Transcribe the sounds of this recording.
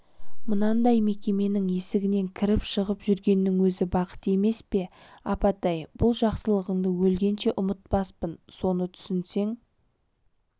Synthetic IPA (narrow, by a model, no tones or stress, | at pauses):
mʊnɑnd̪ɑjme̞kʲe̞me̞nɪŋe̞sɪɡʲɪne̞ŋkʲʰɪɾɪpʃəʁəpʒʏɾɡʲe̞nːɪŋwɵzɪbɑqə̥t̪e̞me̞spe̞ɑpɑt̪ɑjb̥ʊlˠʒɑqsəlˠəʁəŋd̪əwɵlɡʲe̞nʃe̞ʔʊmət̪̚pɑspənso̞nət̪ʰʏ̥sɪnse̞ŋ